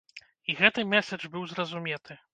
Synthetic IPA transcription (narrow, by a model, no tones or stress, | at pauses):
iɣɛt̪ɨmʲɛsʲɐd͡ʐbɨwzrɐzumʲɛt̪ɨ